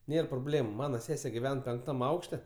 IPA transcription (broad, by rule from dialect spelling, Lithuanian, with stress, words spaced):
ˈnʲeːr proːˈbʲlʲeːmʊ ˈmɑːnɐ ˈsʲæːsʲɛ ɡʲɪˈʋʲɛn pʲɛŋkˈtɐm ˈɐʊkʃʲtʲɛ